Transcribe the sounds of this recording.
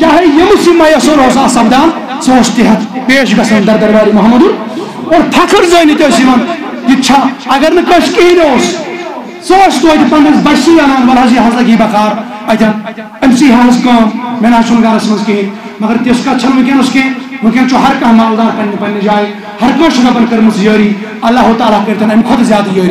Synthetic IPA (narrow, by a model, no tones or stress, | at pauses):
t͡ʃaːɦejɐmusimɐːjɐsoːɾɦoːsaːsɐbd̪aːn | soːt͡ʃt̪iɦɐt̪ʰpeːʃ̬ɡɐsɐ̃nd̪ɐɾd̪ɐɾbaːɾimɐɦɐmːɐd̪un | oːɾpʰɐkʰɐɾzɐːnit̪eːsimɐn | kit͡ʃʰaɐɡɐɾnɐkɐʃkiɦinoːs | soːt͡ʃt̪oɐt̪ipɐnd̪ɐsbɐsiːjɐːnaːnʋɐlɦɐs̬iɦɐzlɐkiːbɐkʰaːɾ | ɐt̪ʰɐn | ɐmsiːɦaːɾɐskɐːnmenɦɐsʰunɡaːlɐsimɐnskiɦĩn | mɐɡɐɾt̪eskɐt͡ʃʰɐnmɨ̃kenɐskẽ | mɨkʲent͡ʃʰoɦɐɾkɐ̃ːmaːld̪aːɾkɐnnipɐnnid͡ʒaːĩ | hɐɾkɐ̃ːʃʰunɐpɐnkɐɾmɐsjəːɾiː | ɐlːaːɦut̪aːlaːkɐɾt̪ʰɐnɐmikʰot̪zʲjaːd̪ɐjəːɾiː